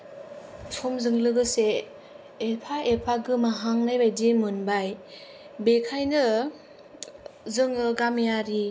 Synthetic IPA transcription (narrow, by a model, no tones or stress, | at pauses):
sʰɔmzɯŋlɯɡɯseː | pʰaʔepʰaɡɯmaɦaŋnajbajdimɯnbaj | bekʰajnɯ | zɯŋɯɡamjaɾi